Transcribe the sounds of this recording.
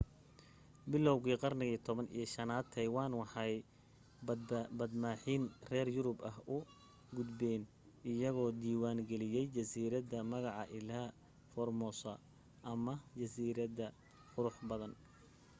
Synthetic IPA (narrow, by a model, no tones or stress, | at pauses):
bɪlɔwɣiːqɑrnɪɣiːt̪ʰɔβɐnḭjɐʃɐnaːd̪̚t̪ʰːɛjwɑːnwɑħɑj̪ | bɐd̪maːħiːnrɛːrjʊɾʊbɐhʊ | ɡʊd̪bɛːn | ɪjɐɣɔːd̪iːwaːŋɡɛlɪjɛjt͡ʃɐsiːɾɐðɐmɐɣɑʕɑʔɪlaː | fɔrmɔːsɐ | ʔɐmɐt͡ʃɐsiːɾɐðɐ | qʊɾʊħbɐðɐn